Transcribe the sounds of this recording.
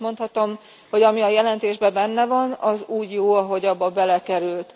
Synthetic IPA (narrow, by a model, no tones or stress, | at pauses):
mo̞nt̪hɒt̪o̞m | ho̞ɟɒmiɒjɛlɛnt̪eːʒbɛbɛnːɛvɒnɒzuːɟjoːɒɦo̞ɟɒbːɒbɛlɛkɛɾylt̪